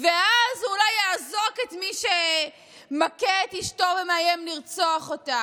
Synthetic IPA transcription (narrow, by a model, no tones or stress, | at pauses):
veazulajaːzo̞ketmiʃe | maketiʃto̞vemeajemliʁt͡soaχo̞ta